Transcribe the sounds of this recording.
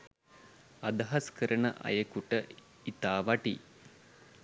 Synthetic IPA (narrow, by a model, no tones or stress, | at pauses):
ad̪ɐɦaskəɾəɳəʔɐ̰jəkuʈə | it̪aːʋaʈḭ